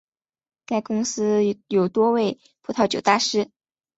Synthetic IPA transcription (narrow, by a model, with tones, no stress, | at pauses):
ka˥˩ɪkʊ˥ŋsɹ̩˥jo˨˩ʊt̪wɔ˥we˥˩ɪ | pʰu˥t̪ʰɑ˥˩ʊt͡ɕjo˨˩ʊt̪a˥˩ʂɻ̩˥